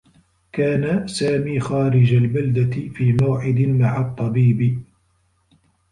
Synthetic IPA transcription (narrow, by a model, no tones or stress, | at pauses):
kaːnasaːmiːxaːɾɪd͡ʒalbald̪afiːmawʕɪd̪ɪmaʕat̪ˤːɑbiːb